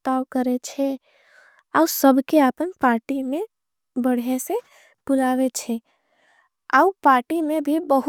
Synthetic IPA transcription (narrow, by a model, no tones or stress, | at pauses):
t̪awkəɾet͡ʃʰɛ | aːsəbʱkeaːpənpaːɾʈimẽ | bəɽ̤ese | b̥ʊlaːwet͡ʃʰɛ | aʊpaːɾʈimẽbʱibəɦ